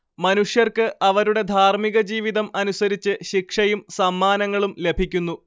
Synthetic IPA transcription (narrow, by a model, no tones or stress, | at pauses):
mɐnuʂjɐrkɨʔɐʋɐɾuɽe̞d̪ʱaːrmiɣɐd͡ʑiːʋiðɐmɐnusɐɾit͡ɕːɨɕikʂɐjumsɐmːaːnɐŋːɐɭumle̞bʱikʲːunːu